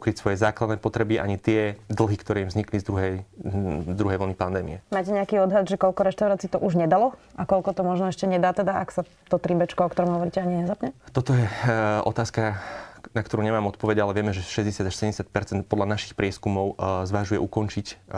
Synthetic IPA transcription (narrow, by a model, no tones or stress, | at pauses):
kɾicsʋɔjɛzaːklad̪nɛːpɔt̪ɾɛbiʔa̰ɲit̪ɪɛd̪l̩ɦikt̪ɔɾɛːimvzɲiklizd̪ɾuɦɛj | d̪ɾuɦɛjʋɔlnipand̪ɛːmḭɛmaːcɛɲɛakiɔd̪ɦad̪ʒɛkɔʎkɔɾɛʃt̪aʊɾaːt͡siːt̪ɔʔuʒɲɛd̪alɔ | ʔakɔʎkɔt̪ɔmɔʒnɔɛʃcɛɲɛd̪aːt̪ɛd̪aʔaksa | t̪ɔt̪ɾibɛt͡ʃkɔɔkt̪ɔɾɔmɦɔʋɔɾiːcɛaɲiɲɛzapɲɛt̪ɔt̪ɔjɛɔ̰t̪aːskanakt̪ɔɾuːɲɛmaːmɔt̪̚pɔʋɛɟalɛʋɪɛmɛʒɛʃɛzɟɛsɪad̪aʃsɛɟɛɲːɛsɪat̪̚pɛɾt͡sɛnt̪̚pɔd̪lanaʃi̥xpɾɪɛskumɔʊzʋaʒujɛʔukɔnt͡ʃic